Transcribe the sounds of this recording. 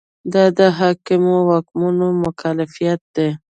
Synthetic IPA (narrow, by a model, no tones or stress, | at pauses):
d̪ɑd̪əɦɑkɪmowakmunomʊkʰalɪfijat̪̚d̪e